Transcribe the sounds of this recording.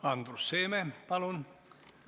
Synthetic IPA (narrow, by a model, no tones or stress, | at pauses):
ɑnt̪usːeːmepɑlon